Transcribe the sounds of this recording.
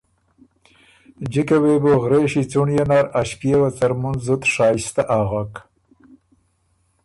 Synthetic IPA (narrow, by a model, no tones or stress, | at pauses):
d͡ʒikaweboɣɾeʃit͡suɳjanaɾaʃkijewat͡saɾmunzʊt̪ʂɑːst̪aʔaɣak